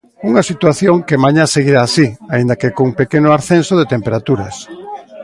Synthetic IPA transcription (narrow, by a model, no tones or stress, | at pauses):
uŋasit̪waθjoŋkemaɲaseɣiɾaːsiaind̪ɐkekõuŋpekenoaɾθensoðet̪empeɾat̪uɾɐs